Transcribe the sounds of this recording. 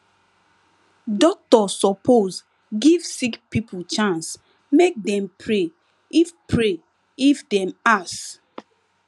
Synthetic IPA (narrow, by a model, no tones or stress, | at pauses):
dɔk̚tɔsɔpʰoz | ɡivsikpipʰut͡ʃãns | mek̚dɛ̃mpʰɹe | ifpʰɹe | ifdɛ̃mas